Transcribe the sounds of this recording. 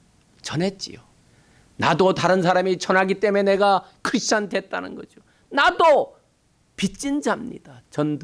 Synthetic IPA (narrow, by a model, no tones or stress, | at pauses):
t͡ɕʌnɦe̞t̚t͡ɕ͈ḭo | nadotaɾɯnsʰaɾamit͡ɕʌnɦaɡit͈e̞mene̞ɡakʰɯɕ͈ande̞t̚t͈a̰nɯ̰nɡʌ̰d͡ʑio | nado | pit͡ɕ͈ind͡ʑamɲḭd̥at͡ɕʌnd